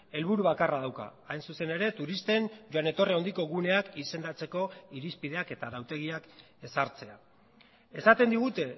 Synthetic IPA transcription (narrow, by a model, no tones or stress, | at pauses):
e̞lβuɾuβ̞akarað̞awka̰ːjnsuse̞ne̞ɾe̞t̪uɾist̪e̞nd͡ʒoane̞t̪o̞reond̪iko̞ɣune̞akise̞nd̪at͡se̞ko̞iɾispið̞e̞ake̞t̪aðawt̪e̞ɣ̞iak | e̞saɾt͡se̞a | esat̪e̞nd̪iɣ̞ut̪e̞